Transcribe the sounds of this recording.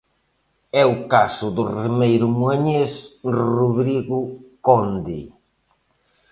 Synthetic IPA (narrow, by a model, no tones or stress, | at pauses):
ɛʊkasʊðʊremejɾʊmweɲesruðɾiɣʊkɔnd̪ḭ